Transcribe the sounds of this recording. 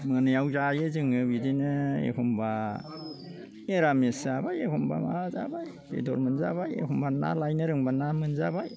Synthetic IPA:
mɯnɯjawzajɯzɯŋɯbidinɯḛkʰɔmba | eɾamesabajekʰɔmba̰maza̰baj | b̥ḛdɔɾmɯnzabajḛkʰɔmbana̰lajnɯɾɯŋbanamɯnzabaj

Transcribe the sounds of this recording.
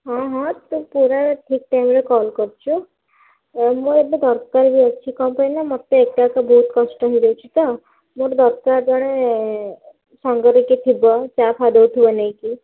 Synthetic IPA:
ɦɔ̃ɦɔ̃t̪ũpuɾaɾʈʰik̚ʈajmɾekɔlkɔɾt͡ʃʰu | muebed̪ɔɾkaɾbiɔt͡ʃʰikɔ̃painamɔt̪eek̚ʈakabɔɦut̪kɔsʈɔɦɔid̪ewt͡ʃʰi̥t̪ɔ | moɾd̪ɔɾkaɾd͡ʒɔɽ̃e | sɔŋɡɔɾiket̪ʰibɔt͡ʃapʰad̪ɔwt̪ʰibɔnaĩki

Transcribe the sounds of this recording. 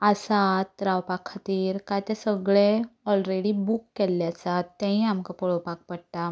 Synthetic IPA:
əsat̪ɾawpakʰːat̪iːɾkajt̪esəɡɭeɔlɾeɽibukːelːjat͡sat̪ːãɦĩamkapɔɭɔpak̚pəɽʈ̪a

